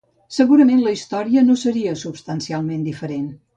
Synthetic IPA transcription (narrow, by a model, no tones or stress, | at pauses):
səɣuɾəmenləist̪ɔɾiənosəɾiəsupst̪ənsialˠmend̪ifəɾen